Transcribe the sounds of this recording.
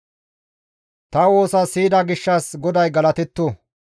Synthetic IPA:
t̪ɐwo̞ːsɐsiːd̪ɐɡɪʃːɐsɡɔd̪ɐjɡɐlɐt̪ɛt̪ːu

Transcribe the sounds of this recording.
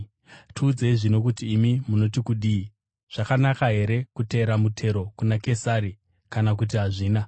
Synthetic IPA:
tʰuːd͡zeiʐino̞kutiːmimuno̞tikuɗi | ʐ̥akanakaɦe̞ɾe̞kute̞ːɾamutʰe̞ɾo̞kunake̞saɾi | kanak̬ut̬iɦaʐiːna

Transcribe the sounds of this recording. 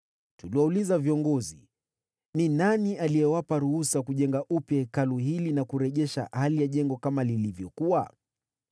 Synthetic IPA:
tuliwɔulizaviɔŋɡɔzi | ninaniʔalijɛwapaɾuhusakuʄɛŋɡaʔupjɛkaluɦilinakuɾɛʄɛʃa̰halijaʄɛŋɡɔkamalilivjɔkua

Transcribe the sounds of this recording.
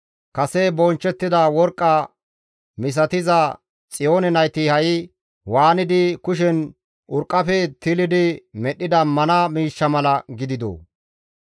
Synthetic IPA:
kɐsɛbɔnt͡ʃːɛt̪ːɪd̪ɐwɔɾkʼːɐ | mɪs̬ɐt̪ɪzɐ | t͡sʼɪjoːnɛnɐjt̪ɪhɐjɪ | waːnɪd̪ɪkʊʃ̬ɛn | ʔʊɾkʼːɐfɛt̪ɪlɪd̪ɪmɛɗːɪd̪ɐmɐnɐmiːʃːɐmɐlɐɡɪd̪ɪd̪o̰ː

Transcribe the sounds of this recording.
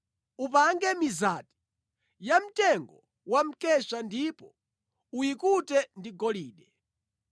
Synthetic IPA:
up̬aŋɡɛmizaːti̥ | jam̩tɛŋɡɔ | wam̩kɛʃandipɔ | ujikutɛndiɡɔliːɗɛ

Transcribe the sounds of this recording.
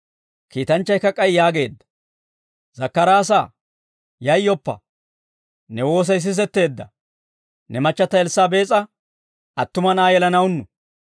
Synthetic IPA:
kiːt̪ɐnt͡ʃːɐjkːɐkʼːɐjjaːɡe̞ːd̪ːɐ̥ | zɐkːɐɾaːsa̰ː | jɐjːɔpːɐ̰ | nɛwo̞ːs̬ɐjs̬ɪs̬ɛt̪ːe̞ːd̪ːɐ̰ | nɛmɐt͡ʃːɐt̪ːɐɛlsaːbe̞ːt͡sʼɐ | ʔɐt̪ːʊmɐnaːjɛlɐnɐwnːʊ

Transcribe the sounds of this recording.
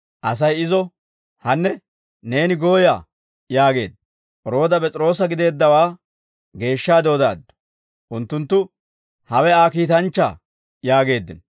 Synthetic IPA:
ʔɐs̬ɐjɪzɔ | hɐnːɛ | ne̞ːnɪɡo̞ːjaː | jaːɡe̞̰ːd̪ː | ʔɔɾo̞ːd̪ɐpɛt͡sʼɪɾo̞ːs̬ɐɡɪd̪e̞ːd̪ːɐwaː | ɡe̞ːʃːaːd̪o̞ːd̪a̰ːd̪ːɔ̥ | ʔʊnt̪ːʊnt̪ːʊ | hɐwɛaːkiːt̪ɐnt͡ʃːa̰ː | jaːɡe̞ːd̪ːɪn

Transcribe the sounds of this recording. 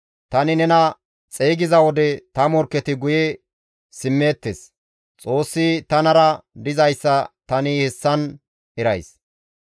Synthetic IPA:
t̪ɐnɪnɛnɐ | t͡sʼeːɡɪzɐwɔd̪ɛt̪ɐmɔɾkːɛt̪ɪɡʊjɛ | sɪmːeːt̪ːes | t͡sʼo̞ːsːit̪ɐnɐɾɐd̪ɪzɐjsːɐt̪ɐnɪhɛsːɐn | ɛɾɐjs

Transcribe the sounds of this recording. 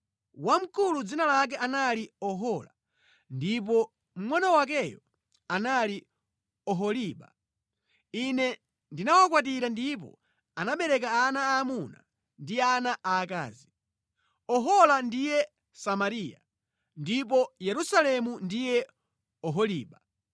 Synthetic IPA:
wam̩kulud͡zinalak̬ɛʔanaliɔɦɔla̰ | ndipɔ | m̩mwanawak̬ɛjɔ̰ | anali | ɔɦɔliːɓa | inɛ | ndinawak̬wat̬iɾandip̬ɔ̰ | anaɓɛɾɛk̬aːnaːmuna̰ | ndianaʔaːka̰ːzi | ɔɦɔlandijɛ | samaɾiːja̰ | ndip̬ɔjɛɾusalɛmundijɛ | ɔɦɔliːɓa

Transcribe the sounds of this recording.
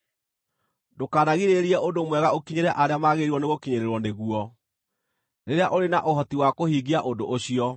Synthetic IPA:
dokaːnaɣiɾeɾiɛʔondomwɛɣaokiɲeɾɛʔaɾeamaɣeɾiwɔneɣokiɲeɾeɾwɔneɣuɔ | ɾeɾeaʔoɾenaʔoɦɔtiwakohiːɡiaʔondoʔːɕiɔ

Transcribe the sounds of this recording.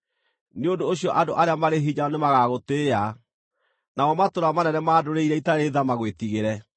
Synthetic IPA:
neondoːɕiɔʔadoʔaɾeamaɾeɦiɲaɔnemaɣaɣotea | naɔmatoɾamanɛnɛmaːdoɾeiɾɛitaɾeðamaɣwetiɣeɾɛ

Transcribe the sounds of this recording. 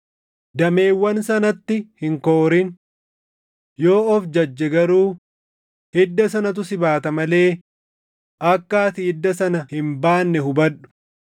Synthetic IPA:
d̪ɐme̞ːwːɐnsɐnɐt̪ːɪhɪŋkoːɾɪn | joːɔfd͡ʒɐd͡ʒːɛɡɐɾuː | hɪd̪ːɐs̬ɐnɐt̪̬ʊsɪbaːt̪ɐmɐle̞ː | ʔɐkːaːt̪iːd̪ːɐsɐnɐhɪmbaːnːɛhʊbɐᶑːʊ̥

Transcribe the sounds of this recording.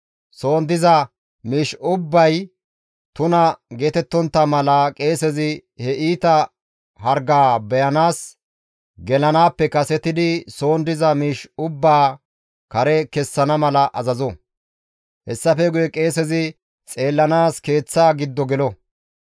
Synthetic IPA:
so̞ːnd̪ɪzɐ | miːʃʊbːɐj | t̪ʊnɐɡe̞ːt̪ɛt̪ːɔnt̪ːɐmɐlɐkʼe̞ːsɛzɪhɛʔiːt̪ɐ | ɦɐɾɡaːbɛjɐnaːs | ɡɛlɐnaːpːɛkɐsɛt̪ɪd̪ɪso̞ːnd̪ɪzɐmiːʃʊbːaː | kɐɾɛkɛsːɐnɐmɐlɐʔɐzɐzɔ | hɛsːɐfɛɡʊjɛkʼe̞ːsɛzɪ | t͡sʼe̞ːlːɐnaːske̞ːt͡sːaːɡɪd̪ːɔɡɛlɔ

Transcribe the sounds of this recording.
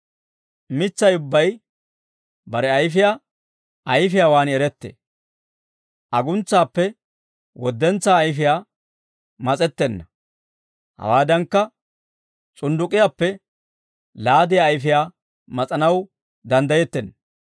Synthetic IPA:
mɪt͡sːɐjʊbːɐj | bɐɾɛɐjfɪjaː | ʔɐjfɪjaːwaːnɛɾɛt̪ːḛː | ʔɐɡʊnt͡sːaːpːɛ | wɔd̪ːɛnt͡sːaːjfɪjaː | mɐt͡sʼɛt̪ːɛnːɐ | hɐ̰waːd̪ɐŋkːɐ | t͡sʼʊnd̪ʊkʼːɪjaːpːɛ | laːd̪ɪjaːjfɪjaː | mɐt͡sʼɐnɐw | d̪ɐnd̪ɐjɛt̪ːɛnːɐ

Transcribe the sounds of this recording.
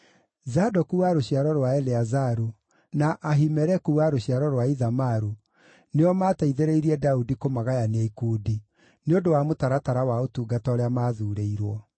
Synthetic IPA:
zadɔkuwaɾoɕiaɾɔɾwaɛleazaɾu | naʔaɦimɛɾɛkuwaɾoɕiaɾɔɾwaiðamaɾu | neɔmaːtaiðeɾeiɾiɛdaudikomaɣajaneikuːdi | neondowamotaɾataɾawaotuːɡatɔɾeamaðuːɾeiɾwɔ

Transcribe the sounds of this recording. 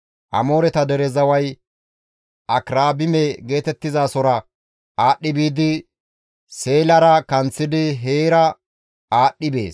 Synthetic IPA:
ʔɐ̰mo̞ːɾɛt̪ɐd̪ɛɾɛzɐwɐj | ʔɐkɾaːbɪmɛɡe̞ːt̪ɛt̪ːɪzaːsɔɾɐ | ʔaːɗːɪbiːd̪ɪ | se̞ːlɐɾɐkɐnt͡sːɪd̪ɪɦeːɾɐ | aːɗːɪbe̞ːs

